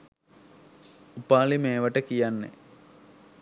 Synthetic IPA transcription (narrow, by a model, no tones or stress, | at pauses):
upːaːɭimeːʋɐʈːekːijanːḛ